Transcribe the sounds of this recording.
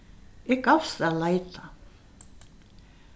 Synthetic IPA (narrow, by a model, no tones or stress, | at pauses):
ekɑfst̪ɑlɑit̪ʰːɑ